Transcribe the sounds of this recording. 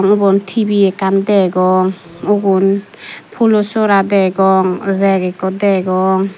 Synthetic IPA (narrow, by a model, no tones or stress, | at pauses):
ŋubɔnt̪ʰibiɛkand̪ɛɡɔŋ | uɡun | pʰulɔsɔɾad̪ɛɡɔŋɾɛɡɛkɔd̪ɛɡɔŋ